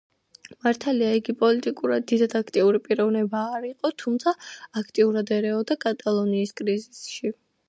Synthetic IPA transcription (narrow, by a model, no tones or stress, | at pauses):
maɾt̪ʰaliaiɡipʼɔlit̪ʼikʼuɾad̪ːid̪ad̪akʰt̪ʼiuɾipʼiɾɔvnɛbaːɾiqʼɔt̪ʰumt̪sʰaakʰt̪ʼiuɾad̪ɛɾɛɔd̪akʼat̪ʼalˠɔniːskʼɾizisʃi